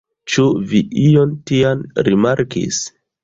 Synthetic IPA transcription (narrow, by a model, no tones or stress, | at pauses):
t͡ʃuviʔiontianɾimaɾkḭs